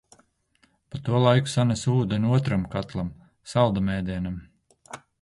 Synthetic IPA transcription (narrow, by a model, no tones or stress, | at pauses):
pat̪uɔlˠajku̥sanʲasuːd̪enʲuɔt̪ɾamkat̪lˠam | salˠd̪amɛːd̪iɛnam